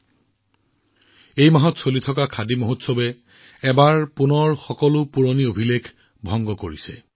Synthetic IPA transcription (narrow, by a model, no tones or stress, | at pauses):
ejmaɦɔtsolitʰɔkakʰadimoɦutsɔbɛ | ɛbaɹpunɔɹxɔkɔlʊpuɹoniobʱilekʰ | bʱɔŋɡɔkoɹisɛ̰